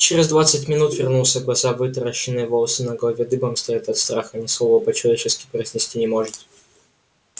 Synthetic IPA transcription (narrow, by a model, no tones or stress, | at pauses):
t͡ɕɪɾʲɪzd̪vat̪sɨtʲmʲɪnut̪vʲɪrnulˠsʲəɡlˠɐzavɨt̪əɾəɕːɪnːɨjvolˠəsɨnɐɡlˠɐvʲed̪ɨbəmst̪ɐjat̪ɐt̪st̪ɾaxənʲɪslˠovəpət͡ɕɪlˠɐvʲet͡ɕɪskʲɪ̥pɾəzʲnʲɪsʲtʲinʲɪmoʐɨt̪